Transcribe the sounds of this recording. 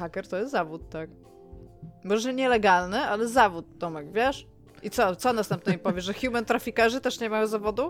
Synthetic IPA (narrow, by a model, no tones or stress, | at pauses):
xakʲɛɾt̪ɔjɛst̪zavut̪ːak | mɔʐɛɛɲɛlɛɡalnɘʔalɛzavut̪̚ːɔmɛkvʲjɛʂ | ʔit̪sɔt̪sɔnast̪ɛmp̚nɛipɔvʲjɛʐɛxʲumɛnt̪ɾafʲikaʐɘt̪ɛʂɲɛmajɔ̃wzavɔd̪u